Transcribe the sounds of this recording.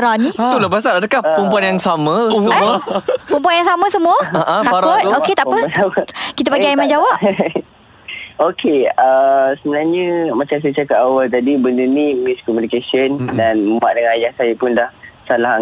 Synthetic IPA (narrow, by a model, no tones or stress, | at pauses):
ɾaniit̪uləpas̬anadəkahəmpuanjaŋsamə̃səəpumpuanjaŋsamə̃səmuəaʔə̃t̪afaɾaʊt̪̚oket̪aʔpət̪awət̪kit̪̬əpaɡɡiaimand͡ʒawaʔ | okeəsəbənarɲəmat͡ʃams̬ajt͡ʃakat̪awalt̪adibəndunimiskɔmunikesiəndanəmaʔ̚dəŋãnajaŋsajəpʊndahsalaɦaŋ